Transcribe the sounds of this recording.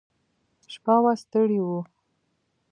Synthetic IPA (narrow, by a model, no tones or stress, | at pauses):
ʃpawast̪əɽiwu